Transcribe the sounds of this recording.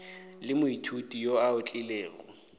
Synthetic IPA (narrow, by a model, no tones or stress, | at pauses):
lɪmʊitʰutʼijoaʊt͡ɬʼɪleːɣɔ̰